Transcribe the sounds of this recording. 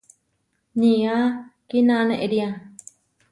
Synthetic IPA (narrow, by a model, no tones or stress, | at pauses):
niakinaneʔeɾiã